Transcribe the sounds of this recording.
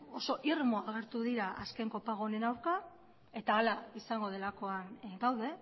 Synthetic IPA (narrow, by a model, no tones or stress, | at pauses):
o̞so̞ʔirmo̞aɣe̞ɾt̪uðiɾaʔaske̞ŋko̞paɣ̞one̞nawɾka | e̞t̪aːlaisaŋɡo̞ð̞e̞lako̞anɡawðe̞